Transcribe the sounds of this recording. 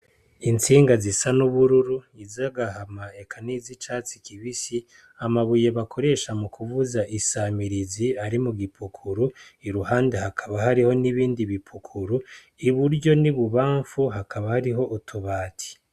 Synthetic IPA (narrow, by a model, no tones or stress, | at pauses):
int͡siːŋɡazisanuβuɾuɾuizaɡahamae̞kʰanizit͡ʃat͡si̥kiβisi | amaβuje̞βakʰo̞ɾe̞ʃamukʰuvuzaʔisamiɾiziaɾimuɡipʰukʰuɾuiɾuhaːnde̞hakʰaβaɦaɾiho̞niβiːndiβipʰukʰuɾu | iβuɾɟo̞niβuβaːɱfuɦakaβahaɾiɦo̞ʔutʰuβaːtʰi̥